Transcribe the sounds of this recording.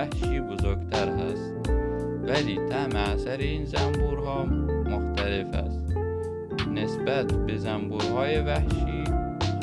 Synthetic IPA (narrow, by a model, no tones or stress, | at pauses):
æhʃiːbozoɾɡt̪ʰæɾɦæ̰st̪̚ | væliːt̪ʰæmeæsæɾeiːnzæmbuːɾhɒːmoxt̪ʰæle̞fæ̰st̪ | ne̞sbæt̪bezæmbuːɾhɒːjevæhʃiː